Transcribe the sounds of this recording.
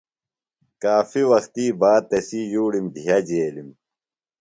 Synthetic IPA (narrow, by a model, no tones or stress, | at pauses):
kaːfiwɐxt̪iːbaːt̪ːesijuːɽimd̪ʱijɐd͡ʑeːlim